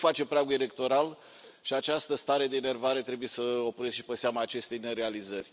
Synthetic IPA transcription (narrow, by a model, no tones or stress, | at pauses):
fat͡ʃe̞pɾaɡue̞le̞k̚t̪o̞ɾal | ʃiat͡ʃast̪əst̪aɾe̞d̪e̞ːne̞rvaɾet̪ɾe̞buje̞səopuɾesʃi̥peseamaːt͡ʃe̞st̪e̞jne̞ɾe̞alizərʲ